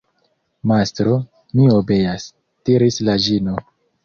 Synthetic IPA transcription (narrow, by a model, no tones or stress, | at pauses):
mastɾo | miobe̞jas | tiɾislad͡ʒino